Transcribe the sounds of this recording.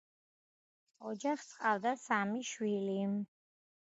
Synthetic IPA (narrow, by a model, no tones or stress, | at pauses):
ɔd͡ʒaχsqʼavd̪asamiʃwili